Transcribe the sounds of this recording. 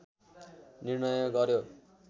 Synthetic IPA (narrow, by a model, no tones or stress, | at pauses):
nirnʌjʌɡʌɾjo